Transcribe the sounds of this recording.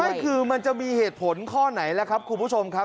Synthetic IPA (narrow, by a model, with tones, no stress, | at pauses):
ma˥˩jkʰɯː˧ma˧nt͡ɕa˨˩miː˧heː˨˩t̪̚pʰo˨˩˦nkʰɔː˥˩na˩˦jlɛː˦˥kʰa˦˥p̚kʰu˧npʰu˦˥˩t͡ɕʰo˧mkʰa˦˥